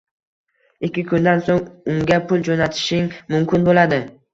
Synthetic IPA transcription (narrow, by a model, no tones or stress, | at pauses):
ɪkʲːɪkʰʊnd̪ansoŋʊŋɡʲapʰʊlˠd͡ʒonat̪ʰɪ̥ʃɪŋmʊmkʲɪnbolad̪ɪ